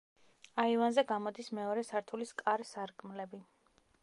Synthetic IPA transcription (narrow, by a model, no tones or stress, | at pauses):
aivanzɛɡamɔd̪ismɛɔɾɛsaɾt̪ʰuliskʼaɾsaɾkʼmlɛbi